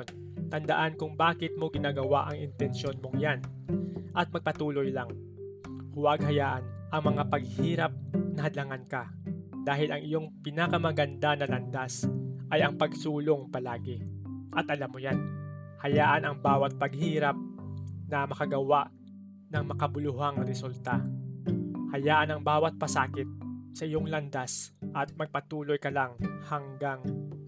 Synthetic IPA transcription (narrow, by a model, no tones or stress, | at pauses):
n | t̪ɐnd̪ɐʔankʊŋbaːkɪt̪̚mo̞ɡɪnaːɡɐwaʔɐŋɪnt̪ɛnʃjo̞nmoŋjan | ʔɐt̪̚mɐɡ̚pɐt̪uːlojlaŋ | hʊwaɡhɐjaːʔɐnʔɐŋmɐŋapɐɡ̚hiːɾɐp̚nɐɦɐd̪lɐŋanka | d̪̥aːɦɪlɐŋɪjo̞ŋpɪnakɐmɐɡɐnd̪anɐlɐnd̪asʔɐjɐŋpɐɡsuːloŋpɐlaːɡɛʔɐt̪ʔɐlamːʊjan | hɐjaːʔɐnɐŋbaːwɐt̪̚pɐɡ̚hiːɾap̚nɐmɐkɐɡɐwaʔ | nɐŋmɐkɐbʊlʊɦaŋɾɛsult̪a | hɐjaːʔɐnɐŋbaːwɐt̪̚pɐsaːkɪt̪̚sɐʔɪjoŋlɐnd̪asʔɐt̪̚mɐɡ̚pɐt̪uːlo̞jkɐlaŋhɐŋɡaŋ